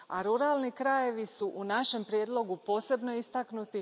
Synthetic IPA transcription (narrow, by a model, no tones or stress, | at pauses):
aɾuɾalˠnikɾaje̞ʋisuʔunaʃe̞mpɾje̞d̪lˠo̞ɡupo̞ːse̞bno̞ist̪aknut̪i